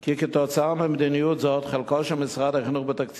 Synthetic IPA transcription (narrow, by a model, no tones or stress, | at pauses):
kikɪtɔt͡samɪmd̪inijutzɔtχalkɔʃamɪsʁadaχnuχbɪtakt͡s